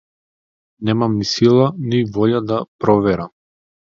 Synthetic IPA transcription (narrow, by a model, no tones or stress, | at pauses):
nɛmamnisilˠanivɔʎad̪apɾɔvɛɾam